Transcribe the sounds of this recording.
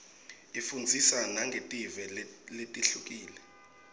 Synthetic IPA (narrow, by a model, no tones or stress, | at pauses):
ifund͡zʱisanaŋɡʱetʼivɛletʼiɬuk̬ʼiːlɛ